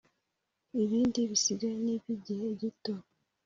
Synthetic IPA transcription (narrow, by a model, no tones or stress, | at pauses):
iβiːndiβisiɡaniβiɟeːɟito